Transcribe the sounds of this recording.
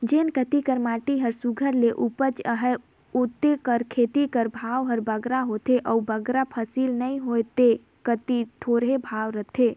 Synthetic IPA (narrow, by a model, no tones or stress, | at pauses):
d͡ʒenkət̪ikəɾmaʈiɦəɾsuɡʱəɾleʔupət͡ʃəɦɛ | ot̪ekəɾkʰet̪ikəɾbʱaʋɦəɾbəɡɾaɦot̪eʔɔubəɡɾapʰəsilnəiɦojt̪e | kət̪it̪ʰoɾɦebʱaʋɾət̪ʰe